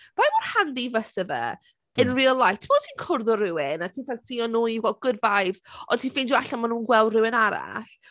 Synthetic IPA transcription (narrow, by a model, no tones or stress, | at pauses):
v̥ajmɔrhandivəsɛvɛ̰ | ənriːlˠajtʰmotʰiːnkʰʊrðɔɾɪwɪnatʰiːnfɛsiɔnːuːiɡɛlˠd̚ɡ̥ʊdvajvsɔntʰiːnfɪnduaɬamanuːnɡwɛlˠdrɪwɪnaɾa̰ɬ